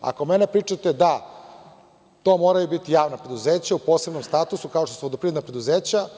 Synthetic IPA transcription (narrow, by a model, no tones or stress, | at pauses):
a̰ko̞menepɾiːt͡ʂat̪ed̪a | t̪o̞ːmoːɾajubit̪ijaːʋnapɾe̞d̪uzeːt͡ɕaupoːse̞bnomst̪aːt̪usukaot̪osuʋod̪opɾined̪napɾe̞d̪uzeːt͡ɕa